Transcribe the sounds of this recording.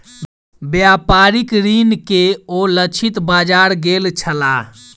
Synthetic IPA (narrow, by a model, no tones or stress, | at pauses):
bjapaɾikɾinkeolət͡ʃʰit̪bad͡ʒaɾɡelt͡ʃʰəla